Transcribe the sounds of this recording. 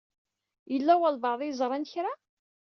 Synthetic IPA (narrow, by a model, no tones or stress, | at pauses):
jəlːæwælvɑʕðˤijzˤɾˤɑnçɾa